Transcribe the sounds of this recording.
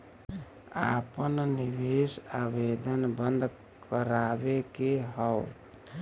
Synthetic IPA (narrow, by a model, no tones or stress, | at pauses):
a̰pənnibesabed̪ənbənd̪ | kəɾabekeɦəʊ